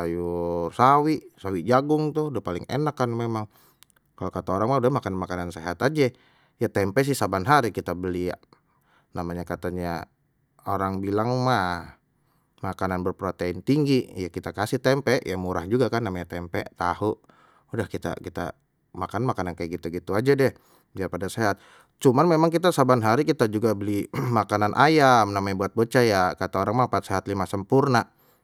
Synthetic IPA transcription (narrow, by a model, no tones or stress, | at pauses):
ajusawiʔsawiʔd͡ʒaɡʊŋt̪uhudahpalɪ̰ŋḛnakːanmemaŋ | kalokat̪aoɾaŋmaudahmakananmakananseɦat̪ad͡ʒɛ | jat̪ɛmpɛʔs̬ɪhsabanɦaɾikit̪abəlia̰ʔ | namaɲakat̪aɲa | oɾaŋbilaŋma | makananbərpɾot̪eɪnt̪iŋɡijakit̪akasɪht̪ɛmpɛʔjamuɾahd͡ʒuɡakanːamaɲat̪ɛmpɛʔt̪ahuʔ | udahkit̪a̰kit̪a̰ | makannmakanankajaɡit̪uɡit̪uad͡ʒadɛh | biarpadaseɦat̪̚ | t͡ʃumanmemaŋkit̪asabanɦaɾikit̪ad͡ʒuɡabəlimakananʔajamnamabuat̪̚bət͡ʃajakat̪aoɾaŋmapat̪̚seɦat̪limasəmpurna